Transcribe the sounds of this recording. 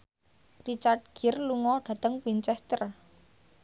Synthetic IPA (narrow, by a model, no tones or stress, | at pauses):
rit͡ʃart̚ɡ̥ɪ̤rluŋɔɖ̥a̤t̪əŋwint͡ʃɛst̪ər